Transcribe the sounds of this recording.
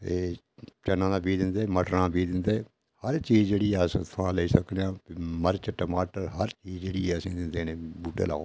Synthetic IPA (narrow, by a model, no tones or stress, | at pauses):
eː | t͡ʃənːãːd̪ãpiːd̪ɪ̃nd̪eːməʈɾãːpiːd̪ɪ̃nd̪eː | həɾt͡ʃiːd͡ʒd͡ʒeːɽiːɛst̪ʰãːleisəkd̪jãːməɾt͡ʃəʈəmaːʈəɾɦəɾt͡ʃiːzd͡ʒeːɽiːɛːəsĩːd̪ɪ̃nd̪eːnẽːbuːʈḛla̰ːoː